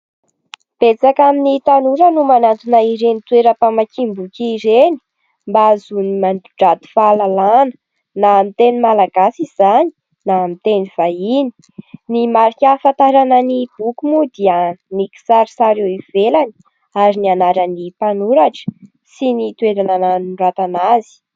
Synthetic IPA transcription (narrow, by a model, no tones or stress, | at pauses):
b̥et͡sakaminit̪anuɾənumanant̪unaiɾenit̪weɾəpamakimbukʲiːɾeni̥ | mbazunimand̪uɖ͡ʐad̪u̥falalanə̥ | namit̪enimalaɡasizani̥ | naːmit̪eniv̥aini̥ | nimaɾikʲafant̪aɾanənib̥ukumud̪iəniki̥saɾisaɾewivelani̥ | aɾinianaɾanipanuɾaʈ͡ʂə̥ | sinit̪weɾanananirat̪anazi̥